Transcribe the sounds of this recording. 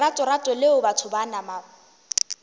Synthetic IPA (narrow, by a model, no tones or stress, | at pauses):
atʼɔratʼɔlɪʊbatʰʊbanama